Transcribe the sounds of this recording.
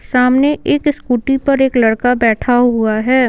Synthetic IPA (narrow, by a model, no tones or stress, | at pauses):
saːmneʔeːkskuːʈipɐɾeːklɐɽkabɛːʈʰaɦuaɦɛː